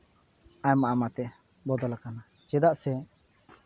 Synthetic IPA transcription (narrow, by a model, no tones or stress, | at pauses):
aɲmaʔamat̪ɛ | bɔd̪ɔlakana | t͡ʃɛd̪aʔsɛ